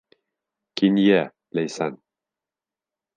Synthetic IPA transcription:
kinjɛ | lejsan

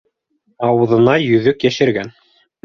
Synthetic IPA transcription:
ɑwɤ̆ðɤ̆nɑjɵ̆ðɵkjæʃɘ̆ɾɡæn

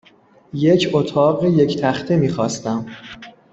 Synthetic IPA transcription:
je̞cʰot̪ʰɒːɢeje̞cʰt̪ʰæxt̪ʰemiːxɒːst̪æm

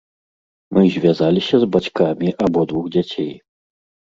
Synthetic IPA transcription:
mɨzʲvʲjazalʲisʲɐzbat͡ʃkamʲiʔabɔd̪vuɣd͡zʲat͡sʲɛj

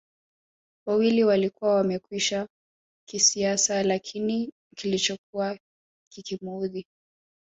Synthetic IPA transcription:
wawiliwalikuwawamɛkwiʃa | kisiasalakʰini | kilit͡ʃɔk̚uwa | kikimuði

